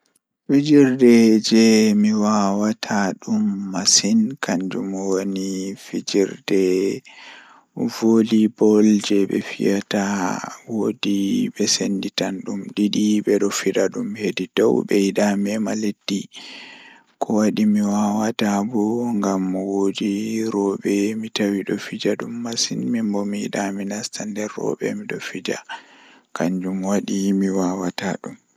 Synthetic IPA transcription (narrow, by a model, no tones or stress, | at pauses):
fid͡ʒiɾdɛd͡ʒɛmiwawatʰaɗumːasinkʰaɲd͡ʒṵmwonifid͡ʒiɾdɛ | volibɔld͡ʒɛɓɛ̰fḭjatawodiɓɛsenditanɗumɗiɗiɓɛɗɔfiɗaɗumhedidɔwbɛjiɗamiɛmaledːi | kʰɔwaɗimiwawatabɔŋɡamwodiɾɔɓɛmitawiɗɔfid͡ʒaɗumːasinmimbɔmiḭɗaminastandɛɾːɔ̰ɓɛ̰miɗɔfid͡ʒa̰ | kaɲd͡ʒumwaɗimiwawataɗum